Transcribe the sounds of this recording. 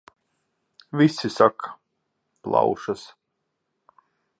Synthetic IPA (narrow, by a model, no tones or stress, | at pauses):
vʲisʲisak | plˠa̰wʃas